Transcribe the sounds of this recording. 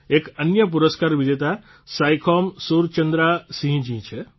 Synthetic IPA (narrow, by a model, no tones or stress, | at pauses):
ekənjəp̬uɾəskaɾʋid͡ʒet̪a | sajkʰɔmsuɾt͡ʃənd̪ɾasĩɦĩd͡ʒĩt͡ʃʰe